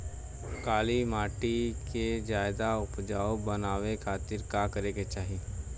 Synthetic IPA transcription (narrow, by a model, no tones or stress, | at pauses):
kaːlimaːʈiked͡ʒaːɪd̪aʊpd͡ʒaːobənaːwekʰaːt̪ɪɾkaːkəɾeːɡet͡ʃaːɦi